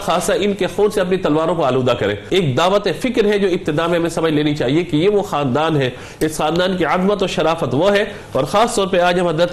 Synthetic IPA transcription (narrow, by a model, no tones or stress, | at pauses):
xaːsaɪnkexoːnseɐpnit̪ɐlʋaːɾõkoaːluːd̪akɐɾḛ̃ːeːk̚d̪aːʋət̪ẽfɪkɾɦɛd͡ʒoːɪb̚t̪ɪd̪aːmẽɦɐmẽsɐməd͡ʒleːnit͡ʃaːɦiekejeʋoxaːnd̪aːnɦɛː | ɪsxaːnd̪aːnkiazmət̪ɔːɾʃɐɾaːfət̪ʋoɦɛ | ɔːɾxaːst̪ɔːɾpɐɾaːd͡ʒɦɐ̃mɦɐd̪ɾət̪